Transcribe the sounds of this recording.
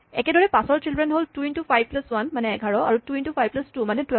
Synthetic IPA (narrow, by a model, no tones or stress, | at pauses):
ɛ̰kɛdɔɹɛpasɔɹt͡ʃildɹɛnɦoltuintufʰajb̚plaswanmanɛɛɡʱaɹɔa̰ɹutuintufʰajbplastumanɛtwɛ